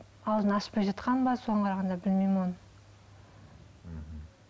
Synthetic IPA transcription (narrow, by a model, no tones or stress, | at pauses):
ɑw̪ˠd̪ənɑspɑjʒɑt̪qɑnbɑso̞ʁɑɴqʰɑɾɑʁɑnd̪ɑbɪlmejmon